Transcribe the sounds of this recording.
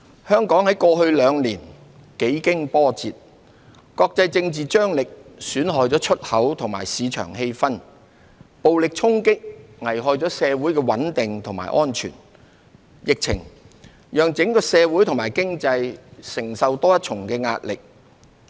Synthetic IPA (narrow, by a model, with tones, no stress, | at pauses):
hœː˥ŋkɔː˨˥ŋhɐ˨˥jkɔː˧ɦɵ˧ɥlœː˨˧ŋliː˨˩n | ke˨˥jkɪ˥ŋpɔː˥t͡siː˨t̚ | kɔː˧k̚t͡sɐ˧jt͡sɪ˧ŋt͡siː˨t͡ʃœː˥ŋlɪ˨k̚syː˨˥nɦɔː˨jt͡sɔː˨˥t͡ʃʰɵ˥t̚hɐ˨˥wt̪ʰʊ˨˩ŋma̰ː˨˩jsiː˨˧t͡ʃʰœ̰ː˨˩ŋɦe˧jfɐ˥n | po˨wlɪ˨k̚t͡sʰʊ˥ŋkɪ˥k̚ŋɐ˨˩jɦɔː˨˧jt͡sɔː˨˥sɛː˧wuː˨˥jkɛː˧wɐ˨˥nt̪ɪ˨ŋt̪ʰʊ˨˩ŋma̰ː˨˩jʔɔː˥nt͡ʃʰy̰ː˨˩n | jɪ˨k̚t͡sʰɪ̰˨˩ŋ | jœː˨˩ŋt͡sɪ˨˥ŋkɔ˨˥sɛː˧wuː˨˥jt̪ʰʊ˨˩ŋmaː˨˩jkɪ˥ŋt͡sɐ˧jsɪ˨˩ŋsɐ˨wt̪ɔː˥jɐ˥t̚t͡ʃʰʊ˨˩ŋkɛː˧ŋa̰ː˧t̚lɪ̰˨k̚